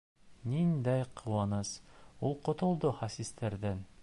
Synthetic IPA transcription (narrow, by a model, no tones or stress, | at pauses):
nind̪æjqʰŏwɑnɤsulˠqŏt̪ŏlˠd̪oχɑsist̪ʰæɾðæn